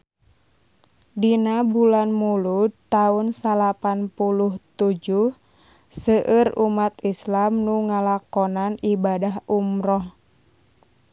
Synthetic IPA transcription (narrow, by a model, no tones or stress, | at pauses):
dinabulanmulut̪aunsalapanpuluht̪ud͡ʒuh | səʔərumat̪islamnuŋalakɔnanibadaɦumɾɔh